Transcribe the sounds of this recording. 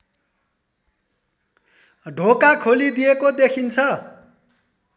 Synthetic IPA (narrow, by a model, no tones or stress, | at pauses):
ɖʱokakʰolid̪ijekod̪ekʰint͡sʰʌ